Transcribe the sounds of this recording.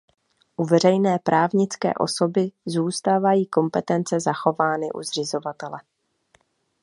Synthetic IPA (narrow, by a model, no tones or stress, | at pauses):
ʔuvɛr̝ɛjnɛːpɾʔaːvɲɪt͡skɛ̰ːʔo̞̰so̞bɪzuːst̪aːvajiːko̞mpɛt̪ɛnt͡sɛzaxo̞vaːnɪ̰ʔṵzr̝ɪzo̞vat̪ɛlɛ